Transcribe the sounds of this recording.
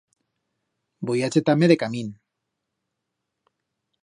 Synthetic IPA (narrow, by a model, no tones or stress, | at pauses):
bojat͡set̪ameɾekamin